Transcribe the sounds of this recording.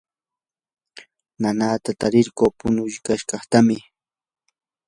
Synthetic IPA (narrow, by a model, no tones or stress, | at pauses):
nanaːt̪at̪aɾɪɾkoːpʊnʊʎkaʃkɑχt̪amɪ